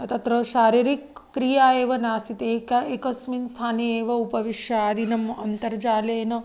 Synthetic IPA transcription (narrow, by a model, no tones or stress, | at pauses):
ɐt̪ɐt̪ɾɐʃaːɾiɾikːɾijaːeːʋɐnaːst̪ʰit̪ekekɐsminst̪ʰaːneeːʋɐupɐʋiʃjɐaːd̪ʱinɐmɐnt̪ɐɾd͡ʒaːleːnɐ